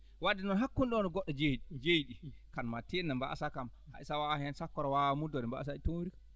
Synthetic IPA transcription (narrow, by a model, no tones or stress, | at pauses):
wadːɛnɔnɦakːunɗɔɔnɔɡɔɗːɔd͡ʒeɗid͡ʒejɗikanmatenːamba̰ʔa̰sakama̰isawahɛnsakːɔɾɔwamudɔdɛmba̰ʔa̰s̬aitonwiɾika